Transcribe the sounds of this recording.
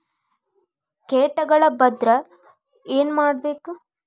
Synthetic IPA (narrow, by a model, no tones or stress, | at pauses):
keːʈɐɡɐɭɐbɐd̪ɾɐ | e̞ːnmaːɽbe̞ːku